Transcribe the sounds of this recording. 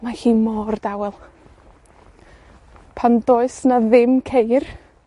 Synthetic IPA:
maxiːmɔrd̥awɛlˠ | pʰandoːɨsnaðɪmkʰejr

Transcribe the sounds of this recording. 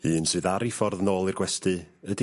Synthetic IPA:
hiːnsɨːðaɾifɔrðnoːlˠɨrɡwɛstɨədi

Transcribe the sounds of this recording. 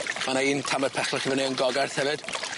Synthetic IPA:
manaiːntʰamɛd̥̚pʰɛχlɔχivɔneənɡɔɡarθhɛvɨd̥

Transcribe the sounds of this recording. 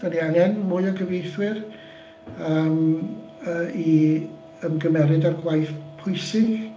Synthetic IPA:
anianɛnmʊɨɔɡəvejθwɪr | əːm | əːi | əmɡəmɛɾɨdarɡwajθpʰʊjsɪ

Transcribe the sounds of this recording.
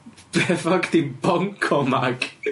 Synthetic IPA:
b̥ɛfakd̪̥ibɔŋkʰɔmak

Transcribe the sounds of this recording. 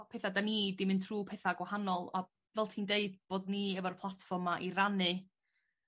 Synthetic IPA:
pʰeθadaniːdɪmɨntʰruːpʰeːθaɡwahanɔlˠa | vɛlˠtʰiːndeɨd̚b̥oːdniːəvɔrpʰlˠatfɔrmaʔiranɨ

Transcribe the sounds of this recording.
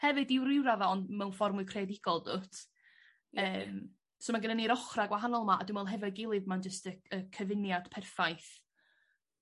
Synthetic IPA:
hɛvɨdɪwɾɪwɾavaɔndmɛwnfɔrmʊkʰrɛdɪɡ̥ɔlˠdo̰ːt | əːm | somaɡənəniɾɔχraɡwaɦanɔlˠmaʔa̰dwɪnwɛlˠɦɛvɔɡɪlˠɨðmand͡ʒəstəəkʰəvɪnjad̥pʰɛrfajθ

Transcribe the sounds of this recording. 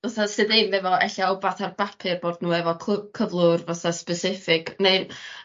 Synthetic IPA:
vaθasɨðɨmvɛvɔɛ̰ɬaobaθarbapʰɨrboːdnuːɛvɔkʰkʰəvlˠʊrvaθaspɛsɪfɪɡ̥nej

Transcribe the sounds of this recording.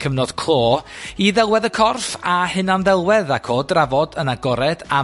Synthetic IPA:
kʰəvnɔd̥kʰl̥ˠoːiðɛlˠwɛðəkʰɔrfahɨnanðɛlˠwɛðakʰoːdravɔdənaɡɔɾɛd̥a

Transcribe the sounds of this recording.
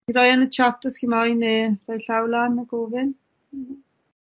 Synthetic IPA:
iɾɔjanət͡ʃʰap̚təskimajnerɔjɬawlanaɡoːvɪn̩

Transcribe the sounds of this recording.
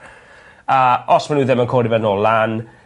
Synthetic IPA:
aɔsmanuːðɪmankʰoːɾivɛnɔlan

